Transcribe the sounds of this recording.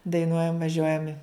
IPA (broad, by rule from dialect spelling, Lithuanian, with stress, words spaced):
dɐɪˈnuɔjɛm ʋɐˈʒʲuɔjɛm ɪ